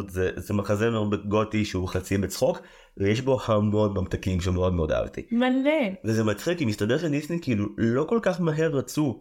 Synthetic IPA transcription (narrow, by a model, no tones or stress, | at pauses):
tzezemaχazemeod̪beɡo̞tiʃeuχat͡simbet͡sχo̞k | vejeʃbo̞hamonmamt̪akimʃ̬emeo̞d̪meod̪a̰vt̪ḭmalevezemat͡sχikimistadeʁʃendisnikiilulo̞ko̞lkaχmaɦe̞ʁːat͡su